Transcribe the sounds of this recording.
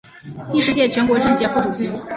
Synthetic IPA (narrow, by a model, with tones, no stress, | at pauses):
t̪i˥˧ʂɻ̩˥˧t͡ɕjɛ˥˩t͡ɕʰɥɛ˧˥nkwɔ˧˥ʈ͡ʂə˥˧nɕjɛ˧˥xʈ͡ʂu˨˩ɕi˧˥